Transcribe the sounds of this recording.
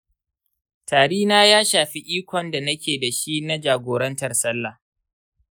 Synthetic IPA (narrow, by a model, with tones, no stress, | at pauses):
taː˨ɽiː˦naː˦jaː˦ʃaː˨ɸi˦ʔiː˦kʷɔ˨nda˨nɐ˦kʲeː˨da˨ʃi˦na˦d͡ʒaː˨ɡʷoː˨ɾɐ˦ntɐ˨rsɐ˦lːa˨